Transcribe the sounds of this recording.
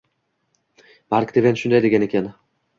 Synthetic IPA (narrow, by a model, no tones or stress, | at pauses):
maɾkʲd̪evʲenʃʊnd̪ajd̪e̞ɡʲane̞kʲʰan